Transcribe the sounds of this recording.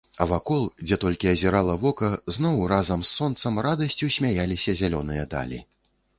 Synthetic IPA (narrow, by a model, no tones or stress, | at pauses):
ɐvakɔlˠd͡zʲɛt̪ɔlʲkʲiɐzʲɛɾalˠɐvɔkɐznɔwrazɐmsːɔnt̪sɐmrad̪ɐsʲt͡sʲusʲmʲajalʲisʲɐzʲalʲɔnɨjɐd̪a̰lʲḭ